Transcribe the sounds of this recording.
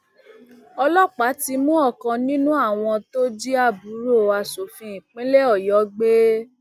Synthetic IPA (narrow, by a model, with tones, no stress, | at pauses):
ɔ˧lɔ˦˨k͡pa˨˦ti˧mũ˦ɔ˦˨kã˧nĩ˦nũ˦a˦˨w̃ɔ̃˧to˦d͡ʒi˦a˦˨bu˨˦ɾo˦˨a˧so˨fĩ˧˦ĩ˨k͡pĩ˦le˦ɔ˦˨jɔ˨˦ɡ͡be˦